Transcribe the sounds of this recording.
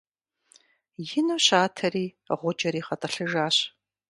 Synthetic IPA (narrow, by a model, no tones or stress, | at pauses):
jɪnuːɕaːtʰɐɾiː | ʁʷʊd͡ʒɐɾiːχɐtʼɐɬɨʒaːɕ